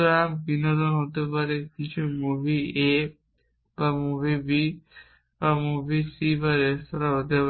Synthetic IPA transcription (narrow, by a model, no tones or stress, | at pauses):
ɾambinod̪onɦot̪epaɾekit͡ɕʰumubʱie | bamubʱibi | bamubʱisibaɾest̪ɔɾaɦot̪e